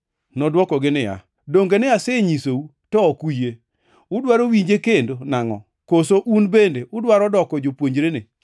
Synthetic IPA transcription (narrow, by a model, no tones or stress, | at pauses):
nɔdwɔkɔɡɪnɪja̰ | doŋɡenɪaseɲisou | tɔːkuje | ʊdwaɾowiɲd͡ʒekendonaŋɔ̰ | kosoʔunbendeʔʊdwaɾɔdɔkɔd͡ʒopwoɲd͡ʒɾene